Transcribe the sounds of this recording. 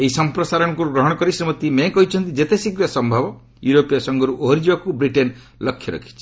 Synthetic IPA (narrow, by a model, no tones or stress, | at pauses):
eɦisɔmpɾɔsaɾɔɽ̃ɔkuɾuɡɾɔɦɔɽ̃ɔkɔɾisɾimɔt̪imẽkɔɦit͡ʃʰɔnt̪id͡ʒet̪esikɾɔsɔmbʱabɔ | juɾopijasɔŋɡɔɾuʔoɦɔɾid͡ʒiakubɾiʈen | lɔkʰjɔɾɔ̰kʰi̥t͡ʃʰi